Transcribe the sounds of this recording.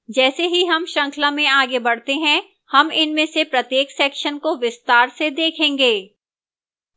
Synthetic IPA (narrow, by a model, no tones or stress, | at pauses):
d͡ʒɛːseɦiɦɐmʃɐ̃ŋkʰlamẽaːɡebɐɽ̤t̪eɦɛ̃ | hɐmɪnmẽsepɾɐt̪jeːksɛːkʃənkoʋɪst̪aːɾsed̪eːkʰẽːŋɡeː